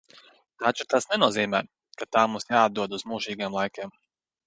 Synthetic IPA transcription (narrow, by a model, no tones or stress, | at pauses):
t̪at͡ʃut̪asnɛnuɔziːmɛː | kat̪aːmumsjaːad̪̚d̪uɔd̪uzmuːʒiːɡeɛmlˠajkʲeɛm